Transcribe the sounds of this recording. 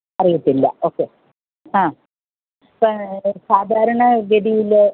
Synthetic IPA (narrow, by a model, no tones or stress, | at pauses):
ɐrijɐt̪ːilːɐ̰o̞ːkːe | ãː | pːɐsaːd̪ʱaːɾɐɳɐɡed̪ijil